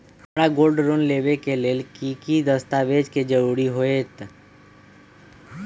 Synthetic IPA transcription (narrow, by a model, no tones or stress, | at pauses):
mɾaɡoːlɖɾoːnleːʋekeleːlkikid̪əst̪aːʋed͡ʒked͡ʒəɾuːɾiɦoet̪